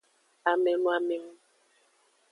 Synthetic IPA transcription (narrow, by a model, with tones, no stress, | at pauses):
a˨mɛ˨nũ˦a˨mɛ˨ŋu˦